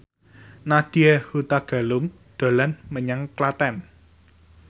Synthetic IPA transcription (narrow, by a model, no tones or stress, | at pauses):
nad̪̥iehut̪aɡ̥a̤lʊm | d̪̥o̤lanməɲaŋklat̪ɛn